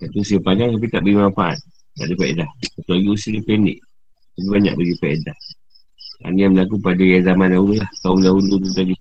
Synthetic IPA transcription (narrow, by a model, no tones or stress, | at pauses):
kat̪uusiəpanaŋkap̬it̪aʔbəɡimafaʔa̰t̪̚ː | a̰ʔdəfaḛdahkat̪alaɡiusiələpɛnḭʔ | k̪ap̬ibaɲa̰k̚baɡifaedah | a̰nijambəlakupadajazamanlauləlahk̪aumlaunud̪ut̪aɡi